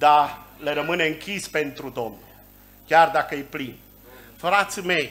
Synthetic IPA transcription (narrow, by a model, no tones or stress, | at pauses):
d̪ale̞ɾəmɨne̞ɨŋkʲispe̞nt̪ɾud̪o̞mnl | kʲard̪akəjeplin | fɾat̪sme̞j